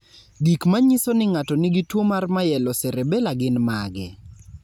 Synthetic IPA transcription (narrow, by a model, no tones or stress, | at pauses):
ɡikmaɲisonɪŋatɔnɪɡitwomarmajɛlɔsɛɾebɛlaɡɪnmaɡɪ̰